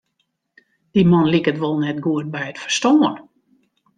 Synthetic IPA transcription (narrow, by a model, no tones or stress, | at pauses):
d̥imɔnlikətʋolˠnɛtɡuət̚bɛjətfərstoːən